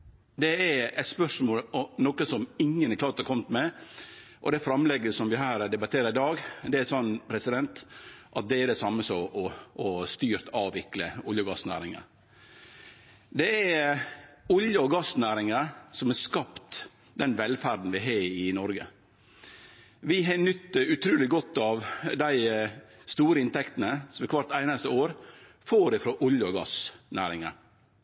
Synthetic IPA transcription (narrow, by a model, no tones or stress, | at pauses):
d̪ɛɛɛt̪spœʂmoːlɔnoːkəsɔmɪŋːənɛkʰlɑːɾt̪ɑɾkʰɔmt̪mɛ | ʔɔd̪ɛfɾɑmlɛɡːəsɔmʋɪɦæːɾd̪ɛbɑt̪ʰeːɾəɾɪd̪ɑːɡd̪ɛæsɔnːpʰɾɛsɪd̪ɛnt̪ʔɑt̪̚d̪ɛæɾɖɛsɑmːəsɔʔɔɔst̪yːɾt̪ʰɑːʋɪkləʊljəɡɑsnæ̰ːɾɪŋə̰ | d̪ɛæɾ | ʊljəɔɡɑsnæːɾɪŋəsɔmɛskɑpt̪ | d̪ɛnʋɛlfæɾd̪n̩ʋɪɦɑːɪnɔɾɡə̰ | ʋɪɦɛnʏt̪ːəʉt̪ʰɾʉːlɪɡɔt̪ːɑʋd̪æɪst̪uːɾəɪnt̪ɛkt̪ənəsɔmɛkʰʋɑɾt̪æɪnəst̪əoːɾ | foːɾɪfɾɔʔʊljəɔɡɑ̰snæ̰ːɾɪŋə̰